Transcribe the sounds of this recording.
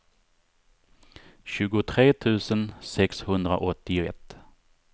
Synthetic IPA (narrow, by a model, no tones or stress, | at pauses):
ɕʉ̟ːɡʊt̪ʰɾeːt̪ʰʉ̟ːsənsɛkshɵnd̪ɾa̰ʔɔt̪ːɪʊɛ̰t̪ː